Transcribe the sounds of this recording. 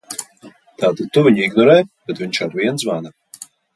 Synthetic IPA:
t̪aːt̪ad̪̚t̪uviɲiɡnɔɾɛːb̥ɛt̪vʲiɲʃaɾviɛnsvana

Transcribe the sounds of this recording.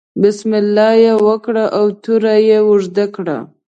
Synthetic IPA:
bɪsmɪlːɑjewəkɽaʔawt̪uɾajewʊʐd̪akɽa̰

